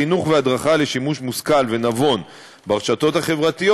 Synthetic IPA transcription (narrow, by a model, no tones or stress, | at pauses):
inuχvead̪ʁaχale̞ʃimuʃmuskalve̞navo̞n | baʁʃat̪o̞t̪haχe̞vʁat̪ijo